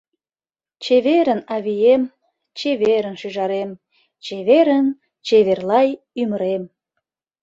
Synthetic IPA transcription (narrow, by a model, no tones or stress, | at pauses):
t͡ɕeβeɾənɑβijem | t͡ɕeβeɾənʃyʒɑɾem | t͡ɕeβeɾən | t͡ɕeβerlɑj | yməɾem